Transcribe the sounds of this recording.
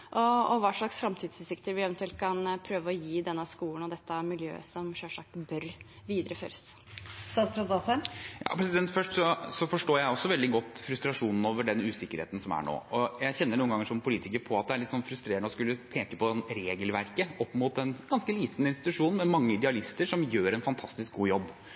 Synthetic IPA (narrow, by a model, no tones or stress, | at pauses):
ʔɔːʋɑːʂɭɑksfɾɑmt̪ʰiːd̪sʉːsɪkt̪əɾʋɪɛʋɛnt̪ʰʉɛlt̪̚kʰɑnpʰɾøːʋəɾɔjiːd̪ɛnːəskuːlənɔd̪ɛt̪ːəmɪljø̰ːəsɔmʂøʂɑkbœɾ | ʋiːd̪əɾəfø̰ːɾəs | st̪ɑːsɾɔd̪ɑsæjɑ̰ːpʰɾɛsɪd̪ɛnt̪fœʂʈsɔsɔfɔʂʈoːjæɪɔsːɔʋɛld̪ɪɡɔt̪ːfɾʉst̪ɾɑʂuːnn̩oːʋəɖɛnʉːsɪkːəɾhḛːt̪n̩sɔmæ̰ɳo̰ːɔjæɪçɛnːəɳuːəŋɡɑŋːəʂɔmpʰʊliːt̪ɪkəɾpʰɔɑt̪̚d̪ɛæɭɪt̪ːsɔnfɾʉst̪ɾeːəɳəɔskʉlːəpʰeːkəpʰɔnɾeːɡəlʋæɾkəɔpːmʊt̪̚d̪ɛnɡ̥ɑnskəliːt̪nɪnst̪ɪt̪ʉʂuːnn̩mɛmɑŋːəɪd̪ɛɑlɪst̪əʂɔmjøːɾɛnfɑnt̪ʰɑst̪ɪsk̚ɡuːjɔbː